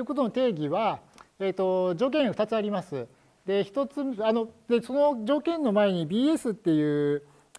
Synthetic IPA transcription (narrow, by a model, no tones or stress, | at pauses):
ɯ̟ko̞t̪ono̞t̪e̞ːɡʲiβaeːt̪o̞d͡ʑo̞ːk̬ẽɰ̃oɸɯ̟t̪at͡sɨaɾʲimasɨ | d̪e̞çi̥t̪o̞t͡sɨano̞d̪e̞so̞no̞d͡ʑo̞ːkẽ̞nːo̞mae̞ɲ̟ibʲiːe̞sɨt̪ːe̞jɯ̟ː